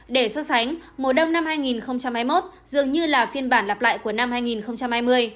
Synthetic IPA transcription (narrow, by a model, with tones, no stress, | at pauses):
ɗe˧˩sə˧sa˨˦jŋ̟mo˨˩ɗə˧wŋ͡mna˧mhaː˧jŋi˨˩nxə˧wŋ͡mt͡ɕa˧mhaː˧jmo˦˥t̚ | zɨ˨˩əŋɲɨ˧laː˨˩fi˧ənɓaː˧˩nla˨˩p̚la̰ː˧˨jku˧˩əna˧mhaː˧jŋi˨˩nxə˧wŋ͡mt͡ɕa˧mhaː˧jmɨ˧əj